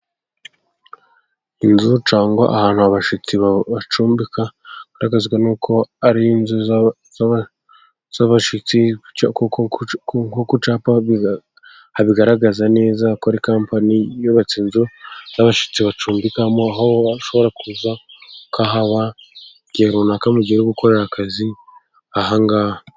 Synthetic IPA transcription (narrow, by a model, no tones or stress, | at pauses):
inzut͡ʃaːŋɡwa̰ʔahaːnhuaβaʃit͡siβaβat͡ʃuːmbikaɡ̥aɾaɡazɡwanuːkʰo̞aɾiinzu | z | z̥aβaʃit͡sik | kokut͡ʃaːpa | haβiɡaɾaɡazane̞ːzakaɾikaːmpanijoβat͡siːnzoz̥aβaʃi̥t͡siβat͡ʃuːmbikamoaɦoaʃo̞βo̞ɾakuzakaɦaβa | ɟ̥eɾunakamuɟeɾuɡuko̞ɾe̞ɾakʰazi | aɦaŋɡa